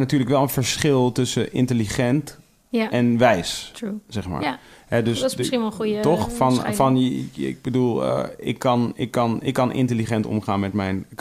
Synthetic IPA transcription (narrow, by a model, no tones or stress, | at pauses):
natyːɹləkʋɛlˠənfəɹsχɪlˠtɵsəʔɪ̰ntəliχɛnt | ɛnʋɛjssɛχma̰ː | ɦɛdøsinəχujtɔχfɑnfɑnɪ̰ɡ̚bədulˠə̰ɪ̰kːɑnɪkːɑnɪ̰kːɑnʔɪ̰ntəliχɛntɔ̰mχaːnmɛtmɛjn